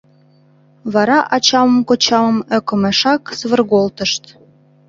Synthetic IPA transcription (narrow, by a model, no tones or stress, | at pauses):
βɑɾɑʔɑt͡ɕɑməmkot͡ɕɑmə̆møkə̆meʃɑksβə̆rɣolt̪əʃt̪